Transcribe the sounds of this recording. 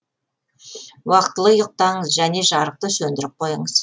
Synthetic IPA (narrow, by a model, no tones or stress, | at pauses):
wɑqt̪əlˠəjʊq̚t̪ɑɴəzʒæne̞ʒɑɾəq̚t̪əsɵnd̪ɪɾɪp̚qʰo̞jəɴəz̥